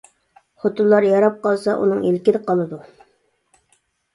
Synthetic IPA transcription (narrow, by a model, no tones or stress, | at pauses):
χot̪ulˠːɑɾjɑɾɑp̚qɑlˠsɑʔṵnɨŋilkʲɪd̪qʰɑlˠɨd̪u